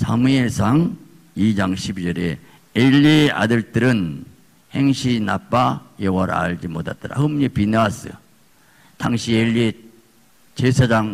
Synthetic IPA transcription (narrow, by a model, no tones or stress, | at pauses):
sʰamueɭsʰaŋ | id͡ʑaŋɕʰibid͡ʑʌɾe | eʎːia̰dɯɭt͈ɯɾɯn | he̞ŋɕʰinap͈ajʌwʌɾ̰a̰ɭd͡ʑimotat͈aɾa̰hɯmɲipinas͈ɯ̰ | taŋɕʰieʎːie | t͡ɕesʰad͡ʑaŋ